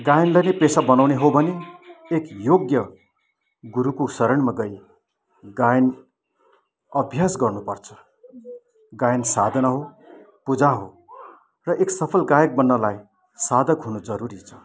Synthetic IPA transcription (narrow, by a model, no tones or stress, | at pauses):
ɡajnlʌjnepesabʌnawneɦobʱʌneekjoɡjʌ | ɡuɾukosʌɾʌɳmaɡʌj | ɡajn | ʌbʱjasɡʌrnupʌrt͡sʰʌ̥ | ɡajnsad̪ʱʌnʌɦo | pud͡zaɦo̰ | rʌʔeksʌpʰʌlɡajʌk̚bʌnːʌlaj | sad̪ʱʌkɦunud͡zʌɾuɾit͡sʰʌ̥